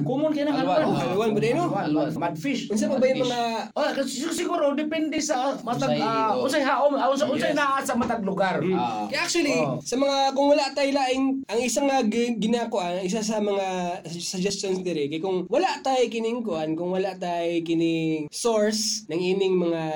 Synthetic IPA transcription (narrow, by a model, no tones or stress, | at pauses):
kumʊnkɐjnaŋaaawanbɐd̪ɛnoamad̪fiʃʊns̬apɐbajʊŋmɐŋa | ʔokassɪɡuːɾod̪ɪpɛnd̪ɛsɐmɐt̪aɡʊsajɦaʔomsaʊnsajnaasɐmɐt̪aɡ̚lʊɡaɾkɐjʔak̚t͡ʃuwɐlisɐmɐŋakʊŋwɐlaʔt̪ajlaːʔɪŋʔɐŋɪsaŋɐɡɪnakʊʔanɪs̬as̬ɐmɐŋa | sɐd͡ʒɛstonsd̪ɪɾɪkɐjkʊŋwɐlaʔt̪ajkɪnɪŋkʊʔankʊŋwɐlaʔt̪ajkɪnɪsoɹsnɐŋʔiːnɪŋmɐŋa